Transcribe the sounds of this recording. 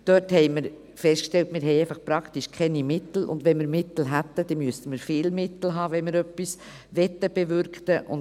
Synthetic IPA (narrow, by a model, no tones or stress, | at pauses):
d̥œthɛɪmɪɾ | fɛstkʃtɛltmɪːɾɦɛɪɛɪfɑχpɾɑkt̪iʃkʰɛnimɪt̪l̩ʊ̰ndʋɛnmɪɾmɪt̪l̩ɦæt̪ːəd̪̥ɛmyəstəməɾfɪːlmɪt̪l̩ɦɑːʋɛnmɪɾœpːis | ʋɛtːəb̥ɛvʏɾkt̪əʔʊ̰n